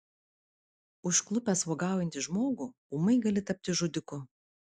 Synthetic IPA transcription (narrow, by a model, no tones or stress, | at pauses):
ʊʃklˠʊpʲɛsʋoːɡɑˑʊjɛnʲt̪ʲɪʒmoːɡuː | umɐɪɡɐlʲɪt̪ɐp̚ʲt̪ʲɪʒʊd̪ʲɪkʊ